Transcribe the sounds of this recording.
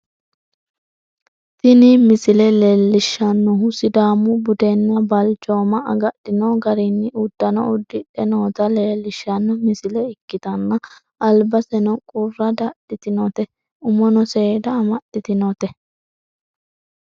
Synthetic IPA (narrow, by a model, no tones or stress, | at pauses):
t̪ɪnimɪsɪlɛleːlːɪʃːɐnːɔɦʊsɪd̪aːmːʊbʊd̪ɛnːɐbɐlt͡ʃʼo̞ːmɐʔɐɡɐɗːɪnɔɡɐɾinːɪʊd̪̥ːɐnɔʊd̪ːɪɗɛnoːt̪ɐleːlːɪʃːɐnːɔmɪsɪlɛɪkːɪt̪ɐnːɐ | ʔɐlbɐsɛnɔkʼʊrːɐd̪aɗɪt̪ɪnɔt̪ɛ | ʊmɔnɔseːd̪ɐːmɐɗɪt̪ɪnɔt̪ɛ